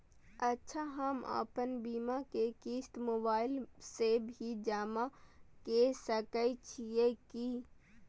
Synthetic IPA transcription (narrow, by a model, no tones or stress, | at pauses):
ətːʃʰaɦəma̰ːpənbiːmakekiːst̪moːbaːɪlsebʱid͡ʒaːmakesəkəjt͡ʃʰijeki